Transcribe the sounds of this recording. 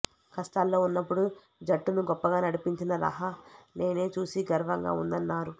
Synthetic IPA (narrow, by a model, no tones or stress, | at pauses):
kɐsʈ̪aːlːo̞ːunːɐpːuɽu | d͡ʒɐʈːunuɡɔpːɐɡaːnɐɽipiɲt͡ʃinɐɾɐ̰ɦɐne̞ːne̞ːt͡ʃuːsiɡɐɾʋɐŋɡa̰ːṵnd̪ɐnːaːɾu